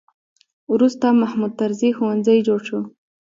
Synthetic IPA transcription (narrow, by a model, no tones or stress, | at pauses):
wɾust̪amahmud̪̚t̪aɾzixowanzajd͡ʒoɽʃu